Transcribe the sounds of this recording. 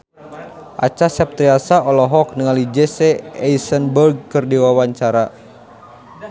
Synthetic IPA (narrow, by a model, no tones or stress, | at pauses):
ʔa̰t͡ʃasɛp̚t̪ɾiasaɔlɔɦɔk̚nəŋalid͡ʒɛsɛɛisənbərɡ̚kɨrdiwawaɲt͡ʃaɾa